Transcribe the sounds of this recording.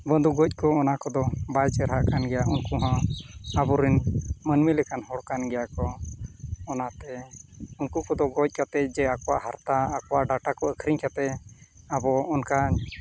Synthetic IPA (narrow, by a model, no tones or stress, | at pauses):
bənd̪uɡɔc̚ˀkɔːnakɔd̪ɔbajt͡ʃɛɾɦaʔkanɡɛjaunkuɦãabɔɾinmənmilɛkanhɔɽkanɡɛjakɔː | nat̪ɛunkukɔd̪ɔɡɔc̚ˀkat̪ɛd͡ʒɛakɔwaʔɦaɾt̪aːkɔwaʔɖaʈakɔəkʰɾiɲkat̪ɛ | abɔːnkaɲ